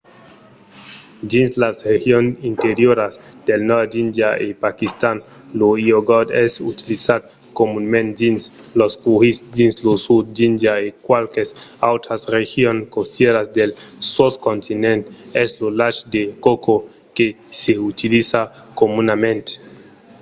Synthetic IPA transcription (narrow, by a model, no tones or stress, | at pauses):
d͡ʒinslasrexjonint̪eɾjoɾasd̪̥elnɔd̪ind̪jaʔepakist̪an | loioɡɔd̪ɛsut̪ilisad̪ | komunmẽnt̪d͡ʒins | lospuhisd͡ʒinslosud̪̚d͡ʒind̪jaekwalkesawt̪ɾasrexjonkost̪jeɾasd̪elsoskont̪inẽnt̪eslolat͡ʃd̪ekoko | ke | seut̪ilisakomunamẽnt̪e̥